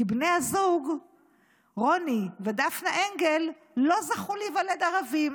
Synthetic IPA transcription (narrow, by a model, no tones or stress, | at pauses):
ibne̞jhazuɡ | ʁonived̪afnaʔe̞ŋɡe̞lː | o̞zaχulejvale̞d̪aʁavim